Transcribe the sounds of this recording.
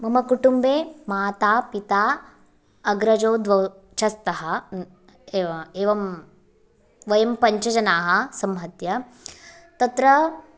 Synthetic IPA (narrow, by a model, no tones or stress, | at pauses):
mɐmɐkuʈumbeːmaːt̪aːpit̪aː | ɐɡɾɐd͡ʒoːd̪ʋɐ | t͡ʃɐst̪ɐɦɐ | eːʋɐm | ʋɐjɐmpɐɲt͡ʃɐd͡ʒɐnaːɦɐ̆sɐmɦɐt̪jɐ | t̪ɐt̪ɾɐ